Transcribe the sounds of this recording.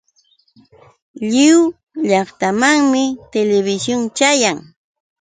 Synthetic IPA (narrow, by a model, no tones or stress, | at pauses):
ʎɪw | ʎɑχt̪amaŋmɪt̪eleβɪsjont͡ʃajaŋ